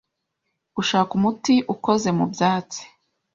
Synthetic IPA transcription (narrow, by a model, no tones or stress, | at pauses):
ɡ̥uʃaːkumutiʔuko̞ze̞mṵbjaːt͡si̥